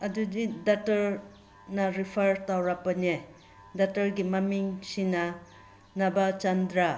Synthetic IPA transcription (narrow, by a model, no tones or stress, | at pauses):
ɐdudidatɐɾ | nɐɾipʰɐɾtawɾapɐne | datɐɾɡimamiŋsina | nabat͡ʃandɾa